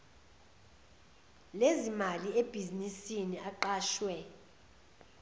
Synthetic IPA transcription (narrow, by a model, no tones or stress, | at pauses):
lezimalieb̥ʱizinisiniʔaǃaːʃwɛ